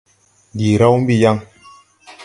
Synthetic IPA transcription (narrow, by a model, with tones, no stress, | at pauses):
di˨ɾa˦wm̩˦bi˦˨ja˦ŋ